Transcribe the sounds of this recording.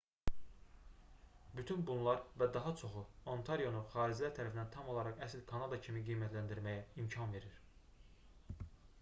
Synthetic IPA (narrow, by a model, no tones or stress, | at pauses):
byt̪ʰynbunlˠɑɾvæd̪ɑɦɑt͡ʃʰo̞χuont̪ʰɑɾijo̞nuχɑːɾid͡ʒlæɾt̪ʰæɾæfinænt̪ʰɑmo̞lˠɑɾɑʁæslkʰɑnɑd̪ɑcʰimiɡijmæt̪ʰlænd̪iɾmæjæimcʰɑnve̞ɾiɾ̥